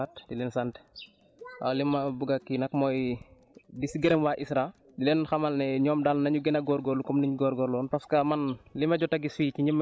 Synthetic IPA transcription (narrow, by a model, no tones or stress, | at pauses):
atdilɛnsant | a̰limɐbuɡɐkːinɐkmɔːj | disiɡɛɾɛmwaʔisɾa | dilɛnxɐmɐlnɛɲɔːmdalnɐɲuɡɛnɐɡɔɾɡɔɾlukɔmniɲɡɔːɾɡɔɾlɔːnpɐskɐmɐnlimɐɟɔtɐɡisiːciɲim